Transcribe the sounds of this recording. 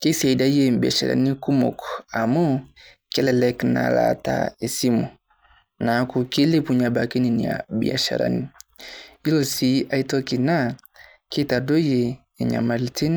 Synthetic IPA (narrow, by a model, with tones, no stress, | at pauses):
ke˦sa˨i˨da˦je˨mbi˨a˨ʃa̰˨ɾa̰˨ni˦ku˦mɔ̰˨kɔa˨mɔ˦kɛ˦lɛ˨lɛ˨˦kna̰˨la̰˨ta̰˦˨e˨si˦mu˨ | na˨˦ku˨ki˦le˦pu˨ɲa˨ba˨ke˦ni˨ni˨a̰˨bḭ˨a̰˨ʃa̰˨ɾa̰˨ni˨ | i˦lo˨si˨˦a˦i˦tɔ˦ki˨na˦ | ki˦ta˨do˦jeː˨ | ɲa̰˨ma˨lti˦n˦